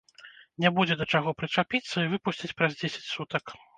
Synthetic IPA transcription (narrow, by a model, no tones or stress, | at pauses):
nʲabud͡zʲɛd̪ɐt͡ʂaɣɔpɾɨt͡ʂapʲit̪sːɐivɨpusʲt͡sʲit͡sʲpɾɐzd͡zʲesʲɐ̥t͡sʲsut̪ɐk